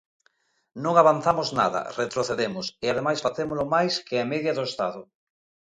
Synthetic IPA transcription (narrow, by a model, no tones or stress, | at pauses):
nõŋaβan̟θamozna̰ðɐ̰ret̪ɾoθeðemʊsɪað̞emajsfaθemolʊmajskɪameðjɐðʊest̪aðʊ